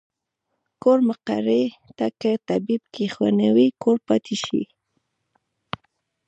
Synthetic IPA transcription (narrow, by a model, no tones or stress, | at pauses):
koɾmaqa̰ɾet̪akət̪abib̚kexwa̰nawikʰoɾpɑt̪ʰiʃḭ